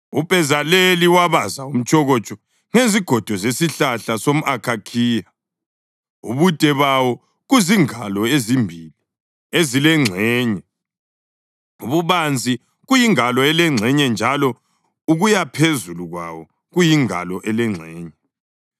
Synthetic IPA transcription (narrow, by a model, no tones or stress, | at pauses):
ub̥ʱɛzaleliwaβazaum̩t͡ʃʰʼɔɣɔt͡ʃʼɔ | ŋeziɡ̥ʱɔd̥ʱɔzesiɬaɬasom̩ʔakʰakʰiːja | ṵβutʼɛβawɔ | ɣuziŋalɔezimbʱili | ezilɛŋ͡ǀʱɛːɲɛ | uβuβand͡zʱi | ɣujiŋalɔɛlɛŋ͡ǀʱɛɲɛnd͡ʒʱalɔ | uɣujapʰezuluɣwa̰wɔ | ɣujiŋa̰lɔʔɛlɛŋ͡ǀʱɛːɲɛ